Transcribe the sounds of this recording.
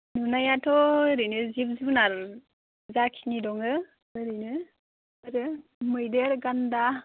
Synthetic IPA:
nunajatoɾinəzibzibnaɾ | zakʰinidɔŋə | ɾinə | əɾəməjdeɾɡanda

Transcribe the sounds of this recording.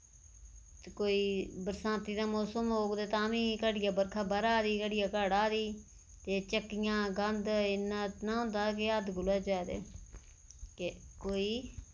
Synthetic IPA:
koːiːbəɾsãːt̪iːd̪ãːmoːsəmɦoːkd̪eːt̪ãːʋĩːkəɽɪjaːbəɾkʰaːbəɾaːd̪iːkəɽɪjaːkəːɽaːd̪iː | t̪eːt͡ʃəkːɪjãːɡənd̪ɪnat̪nãːɦʊ̃ːnd̪aːkeəd̪ɡʊlaːd͡ʒaːed̪ḛː | kekoːiː

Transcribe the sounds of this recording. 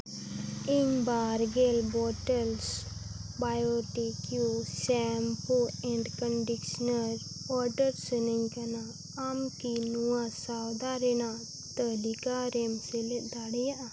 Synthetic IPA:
iŋbaːɾɡelbɔːʈəlsbaːjoʈikjusɛmpuɛ̃ɳɖkəɳɖikʃnəɾ | ɔɾɖəɾsəniŋkɐna | amkinuasawd̪aɾena | t̪əlikaɾemseled̪aɽija

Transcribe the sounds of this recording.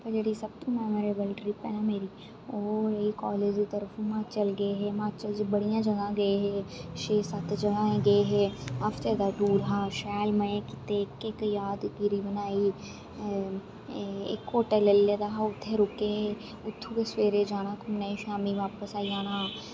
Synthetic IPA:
pɐd͡ʒɽisɐb̚t̪omɛːmoɾeːbəlɖɾipɛ̰ːnameːɾi | oːɾɐikɔːleːd͡ʒit̪ɐɾfumãːt͡ʃəlɡɐeɦɛmaːt͡ʃɐld͡ʒbɐɽijãd͡ʒɐɡãɡɐeɦɛʃeːsat̪d͡ʒɐɡãːẽɡɐeɦɛɐft̪eːd̪aɖuːɾɦaːʃɛːlmɐ̃kɪt̪ekːekjaːd̪ɡɪɾibɐnaːi | ḛkoːʈəlelːeːd̪aɦaʊt̪ʰːeɾʊkeɦɛ | ʊt̪ʰːukesʋeːɾed͡ʒaːnakʊmnɐiʃaːmiʋaːpəsaːiaːna

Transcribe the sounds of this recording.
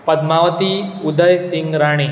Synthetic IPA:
pəd̪maʋət̪iud̪əjsiŋɡɾaɽ̃e

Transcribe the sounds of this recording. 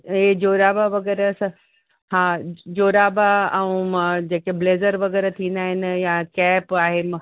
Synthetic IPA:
ed͡ʑoːɾaːbaʋɐɣɛːɾəs | hãːd͡ʑoːɾaːbaɐũd͡ʑeːkebleːzəɾʋɐɣɛːɾet̪ʰĩːnd̪aːɦɪnɪ̆jakɛːpaːɦem

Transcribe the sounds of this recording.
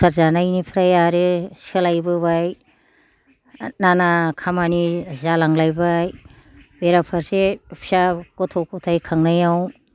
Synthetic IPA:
saɾzanajnipʰɾajaɾɯsɯlajbɯβaj | nanakʰamanizalaŋlajbaj | beɾapʰaɾsepʰisakotʰokɔtʰajkʰaŋnajaw

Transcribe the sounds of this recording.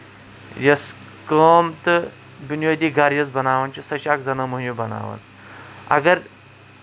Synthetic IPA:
jɐs | kəːmt̪ɨ | binjoːd̪iːɡɐɾjɐsbɐnaːʋɐnt͡ʃʰisɐʃaːkzɐnɐmuɦjubɐna̰ːʋɐ̰n | ɐ̰ɡɐɾ

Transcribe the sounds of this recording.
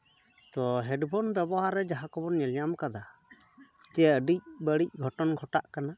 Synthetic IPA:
t̪ɔɦɛɖbʱɔnbɛbɔɦaɾːɛd͡ʒaɦakɔbɔnɲɛlɲamkad̪a | t̪ɛaəɖic̚bəɽic̚ˀɡʱɔʈɔnɡʱɔʈaʔkana

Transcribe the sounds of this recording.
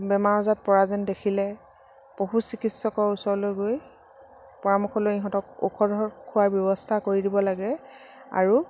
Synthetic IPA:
bɛmaɹɔzat̚pɔɹazɛndekʰilɛ | poɦusikitsɔkɔɹusɔɹlojɡoj | pɔɹamɔxʰɔlojiɦɔtɔkṵkʰɔdʱɔkʰʊwaɹbjɔbɔstʰakoɹidibɔlaɡɛ | a̰ɹu

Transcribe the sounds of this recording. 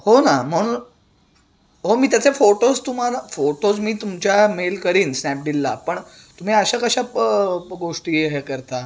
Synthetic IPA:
honam̤əɽ̃uːn | ɦomiːt̪jat͡sefoʈod͡zt̪um̤alafoʈod͡zmiːt̪umt͡ɕjamelkəɾiːnsnæp̚d̪ilːapəɳ | t̪um̤iːəɕakəɕapɡoʂʈiːeɦekəɾt̪a

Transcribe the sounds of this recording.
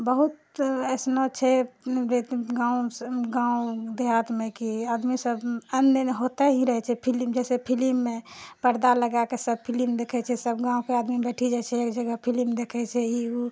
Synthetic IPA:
bəɦut̪̚ɛsnot͡ʃʰɛɾet̪ɡãusɡãud̪eɦat̪mẽkiad̪misəbənəɦot̪eɦĩɾəɦɛt͡ʃʰɛpʰilimd͡ʒɛsepʰilimːepəɾd̪aləɡakesəb̚pʰilimd̪ekʰɛt͡ʃʰɛsəbɡãũkead̪mibɛʈʰid͡ʒat͡ʃʰɛeːkd͡ʒəɡəpʰilimd̪ekʰɛt͡ʃʰɛiu

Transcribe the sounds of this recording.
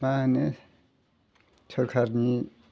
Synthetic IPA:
mane | t͡ʃʰɔɾkʰaɾni

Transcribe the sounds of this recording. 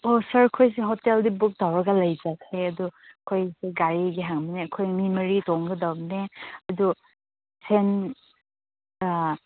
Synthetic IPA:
osɐɹkʰojs̬eɦɔteldibuk̚dawɾɐɡalajd͡ʒakʰːeɐdukʰojseɡaɾiɡeɦaŋbinekʰojŋmimɐɾitɔŋɡɐdawneɐdu | sen

